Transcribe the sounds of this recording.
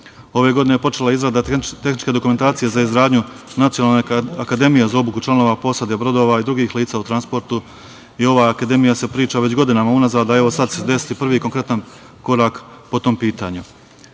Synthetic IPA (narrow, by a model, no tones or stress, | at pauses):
o̞ʋe̞ɡo̞d̪inepo̞t͡ʃe̞laizɾad̪at̪e̞xnit͡ʃke̞d̪o̞kument̪aːt̪ije̞zaizɡɾaːd̪ɲunat̪sijo̞naːlneakad̪e̞mije̞zao̞bukut͡ʃlˠano̞ːʋapo̞sad̪e̞bɾo̞d̪o̞ʋaid̪ɾuɡiːxliːt̪saːut̪ɾanspo̞ɾt̪u | io̞ʋaakad̪e̞mijasepɾiːt͡ʃaʋe̞t͡ɕɡo̞d̪inamaunazaːd̪ae̞ʋo̞sad̪sed̪e̞si̥t̪ipr̩ʋiːko̞ŋkɾe̞t̪an | ko̞ɾaːkpo̞t̪o̞mpiːt̪aːɲu